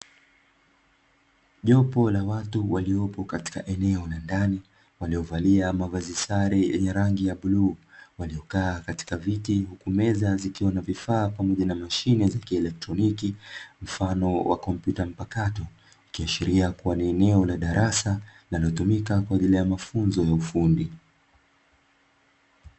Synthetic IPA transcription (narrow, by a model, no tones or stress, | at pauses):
ʄɔpɔlawatuwaliɔpɔkati̥ka̰ʔɛnɛɔlandani | waliɔvaliamavazisaɾɛjɛ̰ɲɛɾaŋɡijaɓuluːwaliɔkaːkati̥kavitihukumɛzazikiwanavifaːpamɔʄanamaʃinɛzakiɛlɛk̚tɾɔnikim̩fanɔwʔa̰kɔmpjutam̩pakatɔ | ikiaʃiɾiakuwaniɛnɛɔlaɗaɾʔasanaliɔtumikakwaːʄilijamafunzɔjaufundi